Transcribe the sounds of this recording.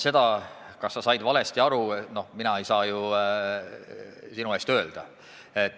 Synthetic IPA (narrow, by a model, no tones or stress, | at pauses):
se̞d̪̥ɑkɑsːɑsɑjd̪vɑle̞st̪iɑɾuno̞hminɑe̞jsɑːju | sinue̞ːst̪ø̞ːld̪̥ɑ | et̪ː